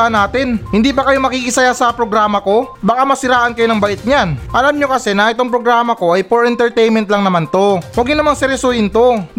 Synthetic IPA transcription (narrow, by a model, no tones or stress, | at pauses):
ɐnːaːt̪ɪnhɪnd̪iːpɐkɐjo̞mɐkikɪsɐjasɐpɾoɡɾaːmɐko̞bɐkamɐsɪɾaːʔɐnkɐjonɐŋbɐʔɪt̪̚ɲanʔɐlamɲo̞kɐsɛnɐʔɛt̪o̞ŋpɾoɡɾaːmɐko̞ʔɐjpoɹɛnt̪ɛɹt̪ɛjnmɛnt̪lɐŋnɐmant̪o̞wɐɡɲɪnɐmaŋsɪɾɛsojɪnt̪o̞